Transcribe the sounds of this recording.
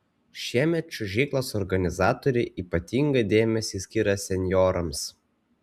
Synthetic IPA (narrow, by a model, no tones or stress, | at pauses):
ʃʲiɛmʲɛt̪̚t͡ʃʲʊʒʲɛɪklˠoːsɔɾɡɐnʲɪzɑːt̪ɔɾʲɛʔiːpɐt̪ʲiːŋɡɐd̪ʲeːmʲɛsʲiːsʲkʲiːɾɐsʲɛnʲjɔːɾɐms